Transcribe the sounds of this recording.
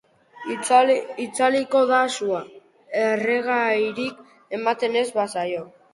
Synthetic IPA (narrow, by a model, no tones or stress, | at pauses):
it͡saliko̞ðasua | ereɣajɾik | e̞mat̪e̞ne̞zβasajo̞